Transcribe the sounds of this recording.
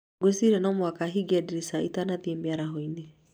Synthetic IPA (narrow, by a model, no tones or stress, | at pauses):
ɡwesiɾɛnɔmwakaɦiɡiɛdiɾisaitanaðemiaɾaɦɔine